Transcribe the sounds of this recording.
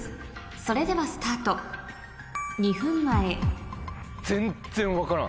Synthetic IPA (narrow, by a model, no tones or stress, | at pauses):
so̞ɾe̞d̪e̞βasɨ̥t̪aːt̪o | ɲ̟ihɯ̟̃mːae | z̥ẽnz̥ẽ̞ɰ̃βakaɾã̰